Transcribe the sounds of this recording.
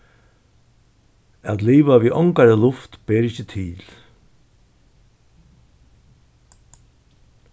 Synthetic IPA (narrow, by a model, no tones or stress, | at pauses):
at̪liːʋaʋiʔɔŋkaɾəlʊft̪b̥eːɾɪçət̪ʰɪl